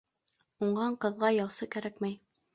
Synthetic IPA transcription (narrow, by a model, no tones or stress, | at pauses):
uɴɢɑɴqɤ̆ðʁɑjɑwsɤkæɾækmæj